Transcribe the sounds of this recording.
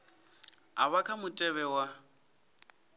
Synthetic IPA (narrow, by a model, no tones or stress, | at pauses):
aβakʰamʊtʼɛβɛwa